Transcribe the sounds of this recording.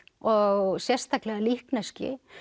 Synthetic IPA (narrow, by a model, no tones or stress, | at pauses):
ɔɣsjɛr̥st̪θaklɛɣalihknɛscɪ̰